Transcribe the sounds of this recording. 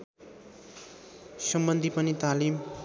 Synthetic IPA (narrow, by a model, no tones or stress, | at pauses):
sʌmbʌnd̪ʱipʌnit̪alim